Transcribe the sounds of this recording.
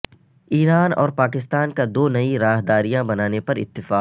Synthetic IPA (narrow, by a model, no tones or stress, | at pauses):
iːɾaːnɔ̰ːɾpaːkɪst̪aːnkad̪oːnɐiɾaːɦd̪aːɾijãbɐnaːnepɐɾɪ̰t̪ːɪfaː